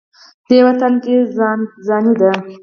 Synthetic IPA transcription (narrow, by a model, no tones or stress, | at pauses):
d̪̥ewat̪əlkezɑnid̪a